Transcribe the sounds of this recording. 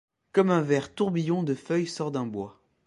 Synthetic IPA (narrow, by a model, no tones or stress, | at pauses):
kɔmɛ̃vɛʁt̪uʁbijɔ̃d̪əfœjsɔʁd̪ɛ̃bwa